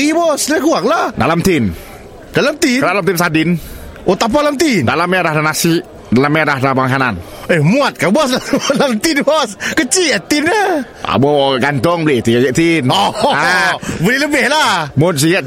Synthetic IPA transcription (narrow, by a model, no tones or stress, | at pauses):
ibɔsləɡuaŋlahda̰lamt̪in | dalamt̪idalamt̪insadɪn | ʔot̪ap̬alamt̪indalamɛdahdanasiʔ | dalamɛdahdabaŋkanan | emuat̪̚kabɔslalamt̪inbɔskət͡ʃiat̪inə | a̰moɔɡant̪ɔŋbəlɪt̪iad͡ʒɛʔ̚t̪inɔabəlɪhləbɛhlahmʊns̬ijat̪̚